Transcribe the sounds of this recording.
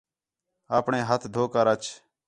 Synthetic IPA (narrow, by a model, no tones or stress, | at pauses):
aːpɳẽːɦət̪ʰd̪ʱoːkaːɾət͡ʃ